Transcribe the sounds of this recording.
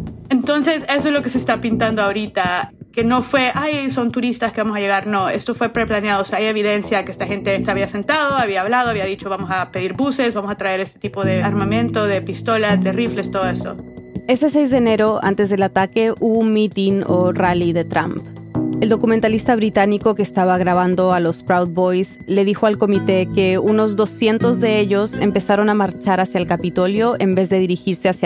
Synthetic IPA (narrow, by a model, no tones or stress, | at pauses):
ent̪o̞nse̞se̞s̬oezloke̞sest̪apint̪and̪oaoɾit̪ake̞no̞fwe̞ʔajso̞nt̪uɾist̪askeβamo̞saʝe̞ɣaɾno̞e̞̰st̪o̞fwe̞pɾeplanjaðoseaaje̞βiðe̞nsjakeest̪axe̞nt̪et̪eaβiase̞nt̪að̞o̞aβiaːβlað̞oaβiaðit͡ʃo̞βamosapeðiɾbuse̞zβamo̞sat̪ɾae̞ɾe̞st̪et̪ipo̞ðe̞aɾmamẽnt̪o̞ðe̞pist̪o̞lad̪erifle̞st̪o̞ð̞oe̞st̪o̞̰e̞se̞s̬e̞jzðeːne̞ɾo̞a̰nt̪e̞zðe̞lat̪ake̞ʔuβoumit̪inoraliðe̞t̪ɾa̰mp | eld̪o̞kument̪alist̪aβ̞ɾit̪aniko̞keːst̪aβaɣɾaβand̪o̞alo̞spɾawd̪̚bo̞js | le̞ðixo̞alko̞mit̪e̞ke̞uno̞zðo̞sje̞nt̪o̞zðee̞ʎo̞se̞̰mpe̞saɾo̞namaɾt͡ʃaɾasjaelkapit̪o̞ljo̞ʔe̞mbe̞zðe̞ð̞iɾixiɾse̞asja